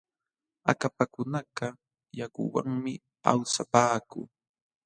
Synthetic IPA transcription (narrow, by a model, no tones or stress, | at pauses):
a̰kapakʊnaɢɑ | jakʊ̰wa̰ŋmɪ | a̰wsapaːkʊ̰ː